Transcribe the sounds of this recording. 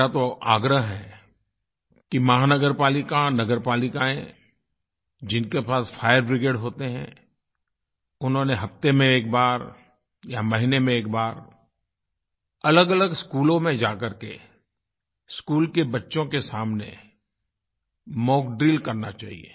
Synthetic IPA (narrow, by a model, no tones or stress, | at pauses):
at̪oʔaːɡɾəɦɦɛ | kimɐɦanəɡəɾpaːlɪkanɐɡəɾpaːlɪkaẽ | d͡ʒɪnkepaːsfʰaːɪəɾbɾɪɡeːɖɦoːt̪eɦɛ̰̃ | ʊnɦõːneɦɐft̪emẽeːk̚baːɾ | jamɐɦɪnemẽeːk̚baːɾ | ɐləɡɐləɡskuːlõmẽd͡ʒaːkɐɾke | skuːlkebɐtːʃõkesaːmnḛ | mɔːkɖɾiːlkɐɾnat͡ʃaːɦḭḛː